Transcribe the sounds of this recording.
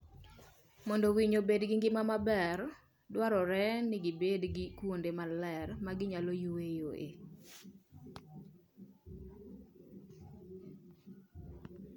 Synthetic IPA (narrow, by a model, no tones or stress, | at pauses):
mɔndɔwiɲobedɡɪŋɡɪmamabɛr | dwaɾɔɾɛnɪɡɪbedɡɪkwondemalɛrmaɡɪɲalɔjuwejoʔḛ